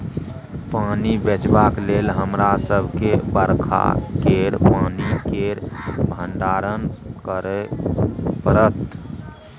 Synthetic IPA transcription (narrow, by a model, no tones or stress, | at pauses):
panibet͡ʃbaklelɦəmɾasəbʱkebəɾkʰa̰keɾpanikeɾbʱənɖaɾənkəɾɛ | pəɾət̪